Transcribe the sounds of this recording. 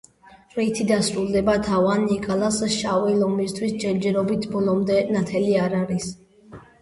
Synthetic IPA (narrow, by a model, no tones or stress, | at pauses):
ɾɛit̪ʰid̪asɾulˠd̪ɛbat̪ʰavanːikʼalasʃavɛlɔmist̪ʰwisd͡ʒɛɾd͡ʒɛɾɔbit̪ʰbɔlɔmd̪ɛnat̪ʰɛliaɾaɾis